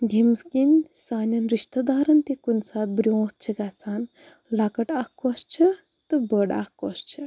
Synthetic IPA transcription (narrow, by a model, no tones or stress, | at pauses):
d̪ʲʱimskinʲsaːnʲɐnɾiʃt̪ɐd̪aːɾɐnt̪ekunsaːt̪̚bɾjõːt̪̚t͡ʃʰiɡat͡sʰaːn | lakɐʈakkɔst͡ʃʰi | t̪ɨbəɽa̰kkɔst͡ʃʰi